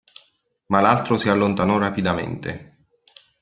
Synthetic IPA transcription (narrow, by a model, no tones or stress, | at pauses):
malalt̪ɾosialːont̪anɔrapid̪amḛnt̪ḛ